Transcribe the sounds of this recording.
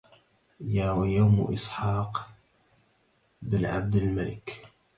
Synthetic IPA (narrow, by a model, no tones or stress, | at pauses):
jaːwajawm̰ʔɪ̰sˤħɑːq | bɪnʕa̰b̚d̪almalɪ̰k